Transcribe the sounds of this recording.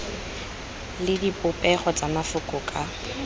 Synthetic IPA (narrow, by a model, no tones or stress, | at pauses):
lɪdipʊpʼɛχɔt͡sʼamafʊkʼʊkʼa